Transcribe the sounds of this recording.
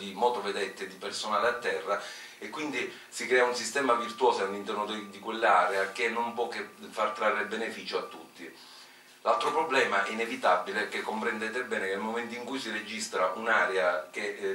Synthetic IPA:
d̪imɔːt̪oved̪ɛt̪ːed̪ipersonaːleat̪ːɛrːa | ekːwind̪i | sikɾɛːaunsist̪ɛːmavirt̪uwɔːsalːint̪ɛrnod̪d̪ikwelːaɾeakenːompwɔkefart̪ɾarːelbenefiːt͡ʃoat̪ːut̪ːi | lalt̪ɾopɾoblɛːmaʔɛinevit̪abːilekekːompɾend̪ɛːt̪ebɛːnekenlmoment̪iŋkujsired͡ʒist̪ɾaʔunaːɾeake

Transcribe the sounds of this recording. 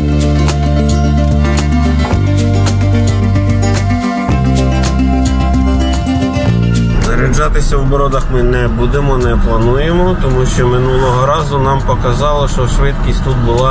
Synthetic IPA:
nɐɾɛd͡ʒɑt̪ɪsʲɐwbɔɾɔd̪ɐxmɪnɛbud̪ɪmɔnɛplˠɐnujemɔt̪ɔmuʃt͡ʃɔmɪnulˠɔɦɔɾɑzʊnɑmpɔkɐzɑlˠɔʃt͡ʃɔʃʋɪt̪kʲisʲt̪ut̪̚bʊlˠɑ

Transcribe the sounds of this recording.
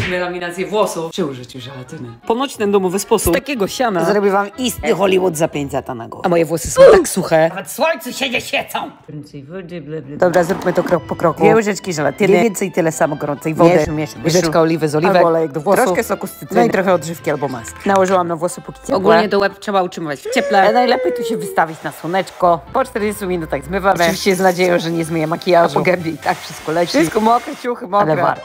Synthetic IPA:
mʲɛɾamʲinat̪sjɛvwɔsut͡ʃɨuʐɨt͡ɕuʒɛlɛt̪ɛnɛpɔnɔt͡ʃt̪ɛnd̪ɔmɔvɨspɔssut̪akʲɛɡɔɕanazaɾɔbʲivamist̪ɨxɔlʲiwɔd̪zapʲɛɲzat̪ana̰ɡɔ̰amɔjɛvwɔsɨ̥sɔ̃w̃t̪aksuxɛavɛt̪swɔɲt̪suɕɛd͡ʑɛɕɛt̪sɔmpɾɛnsɛvdɛblɛbld̪ɔbɾazɾukmɨt̪ɔkɾɔkpɔkɾɔkuɛwʒɛt͡ʂkʲiʒɛlɛ̰t̪ɛnvvɛ̃nt̪sɛjt̪ɨlɛsamɔɡɔɾɔnt̪sɛivɔdɛʃmjɛʃɛʒɛkaɔlʲivɛzɔlʲiavɛbɔɔlɛjɛɡd̪ɔvwɔɾɔkɛsɔkɔst̪uit̪ɾɔxɛɔd̪ʐɘfkʲialbɔmasknawɔʐɘwamnavwɔsupukʲi̥t͡ɕɛɔpɡulɛɲɛt̪ɔwɛtʂɛbautʂɨmɔvat͡ɕft͡ɕɛplɛanajlɛpʲɛjt̪uɕɛvɘst̪avʲit͡ɕnaswɔnɛt͡ʂkɔpɔt͡ʂt̪ɛɾd͡ʑɛst̪umʲinut̪aɣzmɘvaɔmvviɕt͡ɕɛjɛznad͡ʑejɔ̃w̃ʐɛɲɛzmʲejɛmakʲijaʐpɔuɡɛmbʲjɛit̪akfʂɨ̥st̪kɔlɛʂskɔmɔkat͡ɕuxɘmɔalɛva̰ɾt̪

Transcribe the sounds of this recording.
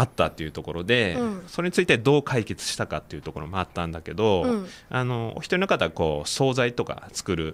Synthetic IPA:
at̪ːat̪ːe̞iɯ̟t̪o̞ko̞ɾo̞d̪e̞soɾe̞ɲ̟it͡sɨit̪e̞d̪o̞ːkʰaike̞t͡sɨ̥ɕi̥t̪akat̪ːe̞iɯ̟t̪o̞ko̞ɾo̞moat̪ːãnd̪ake̞d̪o̞ano̞o̰çi̥t̪oɲinokat̪ːaako̞̰ːso̞ːzait̪o̞ka̰t͡sɨ̥kɯ̟ɾɯ̟

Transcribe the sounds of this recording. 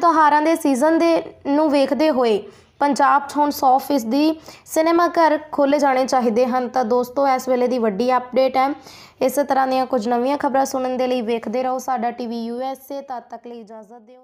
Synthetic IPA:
t̪õɦaːɾãːd̪eːsiːzənd̪eːnũːʋeːkʰd̪eːɦoːeː | pəɲd͡ʒaːb̚ʈʰoːnsɔːpʰɪs̬d̪iːsɪneːmaːkəɾkʰoːleːd͡ʒaːɽ̃eːt͡ʃaːɦiːd̪eːɦənt̪ãːd̪oːst̪õːɛːsʋeːleːd̪iːʋəɖiːəp̚ɖeːʈɛː | ɪst̪əɾãːd̪ɪjãːkʊd͡ʒnəʋɪ̃jãːkʰəbɾãːsʊnənd̪eːləiːʋeːkʰd̪eːɾəɦoːsaːɖaːʈiːʋiːjuːɛːseːt̪ãːt̪əkliːɪd͡ʒaːzət̪̚d̪eːoː

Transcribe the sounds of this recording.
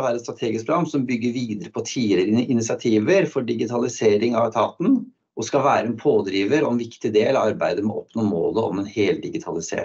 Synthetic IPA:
ʋæːɾɛt̪st̪ɾɑt̪ʰeːɡɪsk̚pʰɾʊɡɑmsɔmbʏɡːəɾʋiːd̪əɾəpʰɔt̪ʰiːɪləɾɪʔɪnɪsɪɑt̪ʰiːʋəɾfɔɖɪɡɪt̪ʰɑlɪseːɾɪŋɑʋt̪ʰɑːt̪n̩ | ʔɔskɑʋæːɾəɛnpʰoːd̪ɾiːʋəɾɔɛnʋɪkt̪ɪd̪eːlɑʋɑɾbæɪd̪əmɛʔɔpːnɔmo̰ːləɔ̰mɛnheːld̪ɪɡɪt̪ʰɑlɪsḛːɾ

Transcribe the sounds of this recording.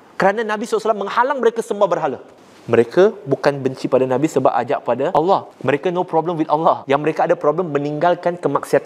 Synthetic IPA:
kəɾananãbisɔlsalamːə̃ŋhalaŋməɾekasəmbahbərɦalə | mə̃ɾekabukanbəɲt͡ʃipadanãbisəba̰p̚ʔa̰d͡ʒa̰ʔpadaʔalːɑhməɾekanopɾɔbləmwit̪alːɑhjaŋməɾekaːdapɾɔbləmːə̃niŋɡalkankəmak̚siat̪an

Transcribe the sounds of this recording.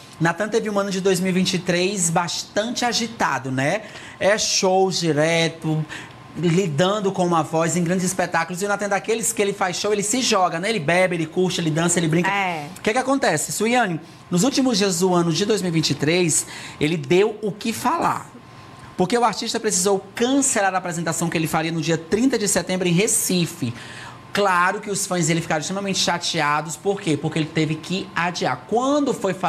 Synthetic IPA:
nat̪ɐ̃t̪evɪũɐ̃nʊd͡ʒɪd̪ojzmiwivĩt͡ʃɪt̪ɾejzbaʃt̪ɐ̃t͡ʃɪaʒit̪a̰d̪ʊnɛ | ɛʃowd͡ʒiɾɛt̪ʊ | lid̪ɐ̃nd̪ʊkõũmɐvɔzẽj̃ɡɾɐ̃nd͡ʒɪzispet̪akʊlʊziʊnat̪ɐ̃d̪akelɪskɪelɪfajsʃowelɪsɪʒɔɡɐnɛ̃elɪbɛbɪelɪkuɾt͡ʃɪelɪd̪ɐ̃sɐelɪbɾĩkkkɛkɪakõnt̪ɛsɪsuiɐ̃nɪ | nʊzuwt͡ʃimʊzd͡ʒiɐzd̪ʊɐ̃nʊd͡ʒɪd̪ojzmiwivĩnt͡ʃɪt̪ɾejselɪd̪ewʊkɪfala̰ɾ | poɾkeʊaɾt͡ʃiʃt̪ɐpɾesizowkɐ̃selaɾaːpɾezẽnt̪asɐ̃w̃kɪelɪfaɾiɐnʊd͡ʒiɐt̪ɾĩnt̪ɐd͡ʒɪsɛt̪ẽmbɾʊẽɦesifɪ | klaɾʊkɪʊsfɐ̃j̃zd̪elɪfi̥kaɾ̃st̪ɾemɐmẽnt͡ʃɪ̥ʃat͡ʃiad̪ʊspoɾkepoɾkeelɪt̪evɪkɪad͡ʒia̰ɾkwɐ̃d̪ʊfojfa

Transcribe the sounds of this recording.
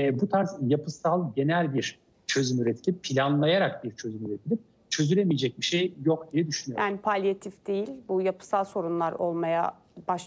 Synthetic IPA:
but̪ʰaɾzjapʰɯsalˠɟe̞nælʲbiɾ̥ | t͡ʃʰø̞zymyɾet̪ʰi̥lʲipːʰilʲanlˠajaɾak̚biɾt͡ʃʰø̞zymyɾet̪ʰilʲip̚ | t͡ʃʰø̞zyɾemijed͡ʒɛc̚biʃejːokd̪ijɛd̪yʃynyjojʔaːnipʰalʲjat̪ʰifd̪e̞jilʲbujapʰɯ̥salˠso̞ɾunlˠaɾo̞lˠmaja̰ | baʃ

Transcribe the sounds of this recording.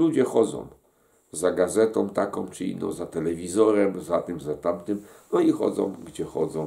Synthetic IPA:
lud͡ʑɛxɔd̪zɔ̰̃w̃ | zaɡazɛt̪ɔ̃w̃t̪akɔ̃w̃t͡ʂɘḭnːɔ̰̃w̃zat̪ɛlɛvʲizɔɾɛmzat̪ɛmzat̪amt̪ɘmnɔixɔ̰d̪zɔ̰̃w̃ɡd͡ʑɛxɔ̰d̪zɔ̃w̃

